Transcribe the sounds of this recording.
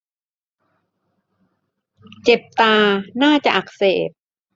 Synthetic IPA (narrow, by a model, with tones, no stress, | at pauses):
t͡ɕe˨˩p̚t̪aː˧naː˥˩t͡ɕa˨˩ʔa˨˩k̚seː˨˩p̚